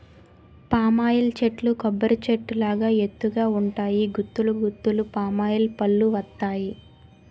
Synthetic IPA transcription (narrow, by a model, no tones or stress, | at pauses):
paːmaːjilt͡ʃeʈlukɔbːɐɾt͡ʃeʈːulaːɡaːe̞t̪ːuɡaːuɳʈaːjiɡut̪ːuluɡut̪ːulupaːmaːjɐlpɐlːuʋɐt̪ːaːji